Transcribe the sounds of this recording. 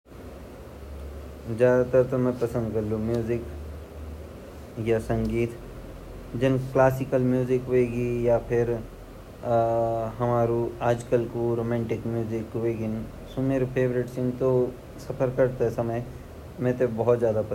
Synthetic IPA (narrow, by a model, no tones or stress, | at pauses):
zjaːd̪at̪ɐɾt̪omɛ̃pɐsə̃nd̪kɐɾlũmjuːzɪk | jasɐ̃ŋɡiːt̪ | d͡ʒɐnklaːsɪkəlmjuːzɪkʋeːɡijapʰɪɾ | ɦɐmaːɾuaːd͡ʒkəlkoɾoːmɛ̃ːɳʈɪkmjuːzɪkʋeːɡɪn | sumeɾpʰeːbɾɪʈsɪ̃ŋt̪o | sɐpʰəɾkɐɾt̪eɦɛsɐməj | mɛ̃ːt̪obɔɦɔt̪zjaːd̪apɐ